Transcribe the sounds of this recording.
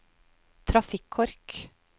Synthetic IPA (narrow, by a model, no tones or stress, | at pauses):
t̪ʰɾɑfɪkʰːɔɾk